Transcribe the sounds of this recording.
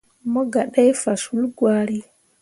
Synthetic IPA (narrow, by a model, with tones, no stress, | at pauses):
mɔ˦ɡa˨ɗa˦jfa˨su˦lɡwaː˦ɾi˦